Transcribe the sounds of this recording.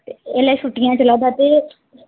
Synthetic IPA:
t̪eɛːlaʃuːʈɪjãːt͡ʃəlaːd̪aːt̪eː

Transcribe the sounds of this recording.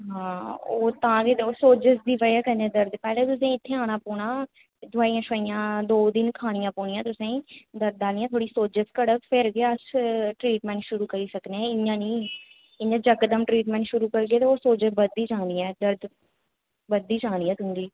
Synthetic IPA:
ɦãːoːt̪ãːɡeːt̪ːoːsoːd͡ʒəsd̪iːʋəaːkəɾnẽːd̪əɾd̪pɛːleːt̪ʊsẽːɪt̪ʰːeːaːɽ̃aːpɔːɳ̃aː | d̪ʱʊaːiːãːʃaːijãːd̪oːd̪ɪnkʰaːɽ̃ɪjãːpoːɳ̃ɪjãːt̪ʊsẽːd̪əɾd̪aːlniːãːt̪ʰoːɽiːsoːd͡ʒəskəɽəkpʰɪɾɡeəsʈɾiːʈmɛ̃ːɳʈʃʊɾuːkəɾiːsəkneːɛ̃ːɪjãːniː | ɪɲjãːd͡ʒəkd̪əmʈɾiːʈmɛ̃ːɳʈʃʊɾuːkəɾɡeːt̪eoːsoːd͡ʒəbəd̪iːt͡ʃãːd̪iːɛːd̪əɾd̪ | bəd̪iːt͡ʃãːdiːɛːt̪ʊŋɡiː

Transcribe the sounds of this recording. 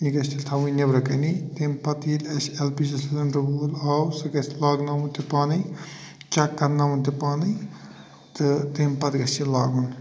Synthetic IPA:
iɡɐst̪ilʲt̪ʰɐʋujnebɾɐkɐnit̪empɐt̪iːlʲɐʃelpizɐsɐlɐnɾɐbuːlaːwsɨɡɐsʲlaːɡnaːʋunt̪epaːnɨj | t͡ʃɐkːɐɾnaːmunt̪epaːnɨ | t̪ɨt̪eːmpɐt̪ɡɐstilaːɡun

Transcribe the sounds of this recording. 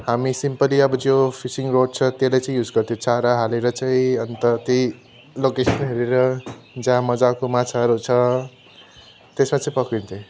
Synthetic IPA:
hamisimpʌliʌbʌd͡zopʰisiŋroɖ̚t͡sʰʌt̪elajt͡sʌĩjud͡zɡʌɾt̪ʰijõt͡saɾaɦaleɾʌt͡sʌĩʌnt̪ʌt̪i | lokesʌnɦeɾeɾʌd͡zãmʌd͡zakomat͡sʰaɦʌɾut͡sʰʌ | t̪esmat͡sʌĩpʌkint̪ʰẽ

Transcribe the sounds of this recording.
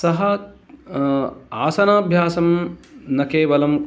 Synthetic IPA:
sɐɦɐ | aːsɐnaːbʱjaːsɐmnɐkeːʋɐlɐm

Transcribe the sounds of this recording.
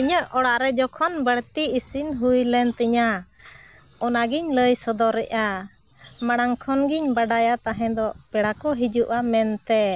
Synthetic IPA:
iɲəʔɔɽaʔɾɛd͡ʒɔkʰɔnbəɽt̪iːsinɦujlɛnt̪əɲa | ɔnaɡiɲləjsəd̪ɔɾɛʔa | maɽaŋkʰɔnɡiɲbaɖajat̪aɦɛ̃d̪ɔpɛɽakɔɦid͡ʒuʔamɛnt̪ɛ

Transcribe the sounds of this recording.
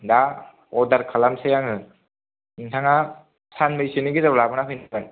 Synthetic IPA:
da | ɔdaɾkʰalamsejaŋɯ | intʰaŋa | sanmɯjsɯnɯɡizablabɯnaɦʰɯjnaban

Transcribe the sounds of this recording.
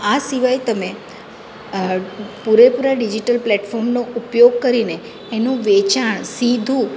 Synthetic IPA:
asiʋajt̪əme | puɾepuɾaɖid͡ʒiʈəlplɛʈfʰɔɾmnoʔupjoɡ̚kəɾineː | nũʋet͡ʃaɳ̃sid̪ʱũ

